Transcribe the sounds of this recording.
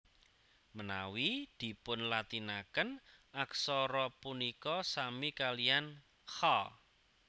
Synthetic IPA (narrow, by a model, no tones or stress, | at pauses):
mənawid̪̥i̤pʊnlat̪inakənʔaksɔɾɔpunikɔsamikalian | xal